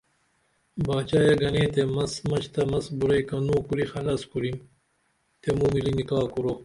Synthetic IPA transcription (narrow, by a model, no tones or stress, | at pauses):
baːt͡ɕaːjɐɡɐnẽːt̪emɐsmɐt͡ɕt̪ɐmɐsbuɾɐjkɐnuːkuɾixɐlɐskuɾim | t̪emuːmilinikaːkuɾo